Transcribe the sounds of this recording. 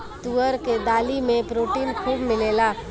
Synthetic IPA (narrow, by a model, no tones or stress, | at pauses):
t̪uːəɾked̪aːlimẽpɾoːʈiːnkʰuːbmɪleːlaː